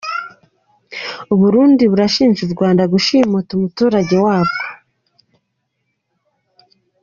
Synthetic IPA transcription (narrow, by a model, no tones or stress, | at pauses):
uβuɾuːndiβuɾaʃiːnʒuɾɡwaːndaɡuʃimutumutuːɾaɟe̞waːβɡo